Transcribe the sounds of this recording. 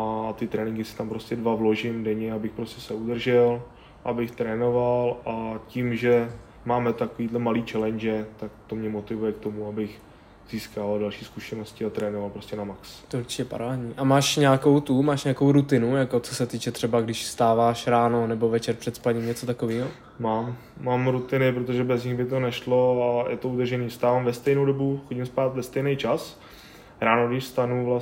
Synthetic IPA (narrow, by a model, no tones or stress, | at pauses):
at̪ɪt̪ɾɛːnɪŋɡɪsɪ̥t̪ampɾo̞scɛdvavlo̞ʒɪmdɛɲɛabɪxpɾo̞scɛsɛud̪r̩ʒɛl | ʔabɪxt̪ɾɛːno̞valʔacimʒɛ | maːmɛt̪akoviːd̪lɛmaliːt͡ʃɛlɛnd͡ʒɛt̪ak̚t̪omɲɛmot̪ɪvujɛk̚t̪o̞muabɪx | z̥iːskaːvaldalʃiːskuʃɛno̞scɪat̪ɾɛːnovalpɾo̞scɛnamakst̪ɛuɾt͡ʃɪcɛpa̰ɾaːdɲiːʔamaːʃɲako̞wt̪umaːʃɲako̞wɾut̪ɪnujako̞t͡sosɛt̪iːt͡ʃɛt̪r̥ɛbaɡdɪʃst̪aːvaːʃɾaːnonɛbo̞vɛt͡ʃɛɾpr̥ɛt̪spaɲimɲɛt͡so̞t̪akoviːɦo | maːmː | aːmɾut̪ɪnɪpɾot̪oʒɛbɛzɲɪɣbɪt̪o̞nɛʃlo̞ajʔɛt̪o̞ud̪r̩ʒɛniːfst̪aːvaːmvɛst̪ɛjnowdobuxoɟɪmspaːt̪vɛst̪ɛjnɛjt͡ʃas | ɾaːnoɡdɪʃst̪anuvla